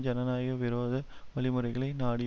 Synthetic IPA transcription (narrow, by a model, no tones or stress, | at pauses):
d͡ʒɐnɐnaːjɐʋɪɾoːðɯ | ʋɐɭɪmɯɾɐɪɣɐɭɐɪnaːɽɪ